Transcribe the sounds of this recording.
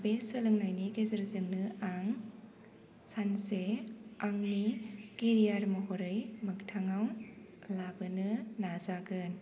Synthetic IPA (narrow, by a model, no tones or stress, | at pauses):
besɐlɯŋnajniɡezɐɾzɯŋnɯaŋ | sanseaŋniɡ̥eɾijaɾmɐɦɔɾɯjmɯktʰaŋaw | labɯnɯnazaɡɯn